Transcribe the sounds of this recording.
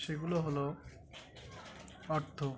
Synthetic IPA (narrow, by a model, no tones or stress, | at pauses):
ʃeɡuloɦolo | ɔɾt̪ʰːo